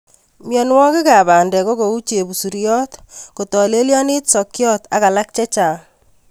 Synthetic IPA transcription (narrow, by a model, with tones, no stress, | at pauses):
mjɔ˨nwɔ˦kɪ˦ka˨ba˨ndɛ˨ko˦ko˨u˦t͡ʃe˨bu˨su˨ɾjɔ˦tko˨tɔ˨le˦ljɔ˦nɪ˦tsɔ˨kjɔ˦ta̰˨ka˨la˦k̚t͡ʃɛ˦t͡ʃaː˨